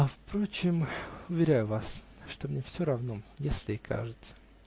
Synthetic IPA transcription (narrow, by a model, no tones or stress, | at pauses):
ɐfpɾot͡ɕɪmʊvʲɪɾʲæjʊvas | ʂt̪omnʲefsʲoɾɐvnojesʲlʲɪɪkʰa̰ʐɨt̪sə̥